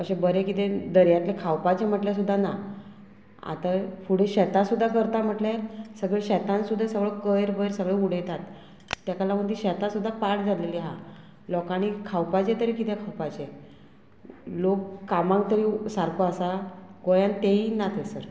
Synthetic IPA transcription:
əɕẽbəɾekit̪ẽd̪əɾjat̪lekʰawpat͡ɕem̤əʈljasud̪ʱːana | a̰t̪afuɽ̤eɕɛt̪asud̪ʱːakəɾt̪am̤əʈljasəɡɭeɕɛt̪ãnsud̪ʱesəɡɭəkəjɾbəjɾsəɡɭeuɽ̤ejt̪at̪ː | jakalam̤ət̪iɕɛt̪asud̪ʱːapaʈd͡zʱaleliːɦa̰ | lɔkaɽ̃ikʰawpat͡ɕet̪əɾikit̪ekʰawpat͡ɕe | lokːamãŋk̚t̪əɾiːsaɾkoasaɡojant̪eiːnat̪ʰesəɾ

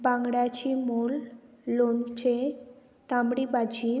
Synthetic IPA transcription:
baŋɡɽat͡ɕimulːont͡ɕe | t̪amɽibad͡ʑi

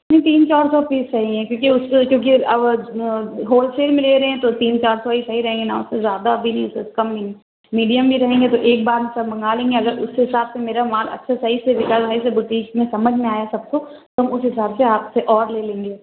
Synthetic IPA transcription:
nɐɦĩt̪iːnt͡ʃaːɾsɔpiːzsɐɦiɦɛ̃kjõːkiʊskjõːk̬iɐb | ɦoːlseːɾmeɪ̃leɾɐɦɛ̃t̪ot̪iːnt͡ʃaːɾsoɦisɐɦiɾɐɦẽːŋɡenaʊsezjaːd̪abʱinɐɦĩʊsskɐmini | miːɖijəmbʱiɾɐɦẽːŋɡet̪oʔeːk̚baːɾmɪ̃sɐbmɐ̃ŋɡaːlẽːŋɡeɐɡəɾʊsɦɪsaːbsemeːɾamaːlɐ̰tːʃʰasɐɦisebɪkaːzbʱais̬ebʊʈiːkmẽsɐməd͡ʒʱmẽaːjasɐb̚ko | t̪oɦɐmʊsɦɪsaːbseaːpseʔɔːɾleːlẽːŋɡeː

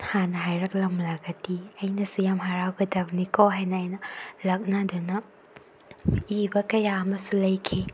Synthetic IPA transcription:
hanɐɦajɾɐk̚lɐmlɐɡɐtiɐjnɐsujamɦaɾawɡɐdɐbnikoɦajnɐːjnɐlɐk̚nadunɐ | ibɐkɐjaɐmɐsulɐjkʰi

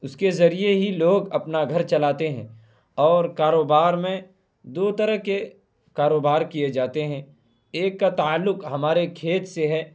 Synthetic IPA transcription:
ʊskezɐɾijeɦiloːɡɐpnaɡʱɐɾt͡ʃɐlaːt̪eɦɛ̰̃ | ɔːɾkaːɾoːbaːɾmẽ | d̪oːt̪ɐɾəɦke | kaːɾoːbaːɾkied͡ʒaːt̪eɦɛ̃ | eːkːat̪aaːlːʊqɦɐmaːɾekʰeːt̪seɦɛː

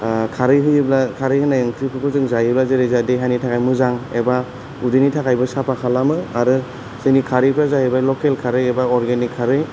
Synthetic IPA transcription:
kʰaɾɯjɦɯjɯblakʰaɾɯjhɯnajɯŋkʰɾipʰɯpʰɯzɯŋzajɯblazɯɾezadeɦajnitʰakʰajmɯzaŋeba | udɯnitʰakajbɯsapakʰalamɯaɾɯ | sejnikʰaɾipʰɾazahebajlɔkelkʰaɾɯjebaɔɾɡenikʰːaɾɯj

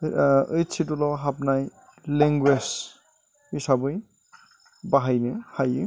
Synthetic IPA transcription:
əjt͡ʃʰitulɔɦapnaj | leŋɡwes | hisabɯj | baɦajnehajɯ

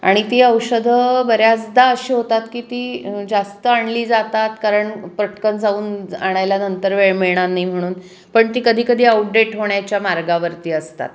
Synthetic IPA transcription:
a̰ɽ̃it̪iːəwɕəd̪ʱəbəɾjat͡sd̪aəɕiːɦot̪at̪kiːt̪iːd͡zast̪əaɳliːd͡zat̪at̪kaɾəɳpɾəʈkənd͡zauːna̰ɽ̃ajljanənt̪əɾʋeɭmeɭɽ̃anːim̤əɽ̃uːn | pəɳt̪iːkəd̪ʱiːkəd̪ʱiːawʈ̚ɖeʈɦoɳjat͡ɕjamaɾɡaʋəɾt̪iːəst̪a̰t̪

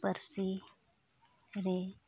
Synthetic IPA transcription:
pəɾsi | ɾe

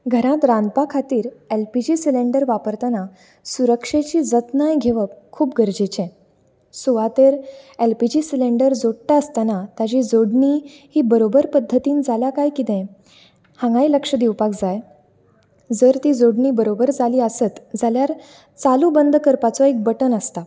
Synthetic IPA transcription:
ɡʱəɾãt̪ɾãnd̪̚pakʰat̪iːɾelpid͡ʑiːsileɳɖəɾʋapəɾt̪ana | suɾəkʂet͡ɕiːd͡zət̪najɡʱeʋəpkʰuːpɡʱəɾd͡ʑet͡ɕɛ̃ | suʋat̪eɾelpid͡ʑisileɳɖəɾd͡zoɽʈaəst̪anat̪jad͡ʑid͡zoɽɳi | hiːbəɾobəɾpəd̪ʱːət̪iːnd͡zʱaljakajkit̪ɛ̃ | hãŋɡailəkʂəd̪iwpakd͡zaj | d͡zəɾt̪iːd͡zoɽɳiːbəɾobəɾd͡zaliːəsət̪d͡zaljaɾ | t͡salubənd̪ʱkəɾpat͡sɔek̚bəʈənəst̪a

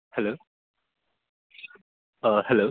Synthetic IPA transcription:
hɛloː | ʌhɛlo

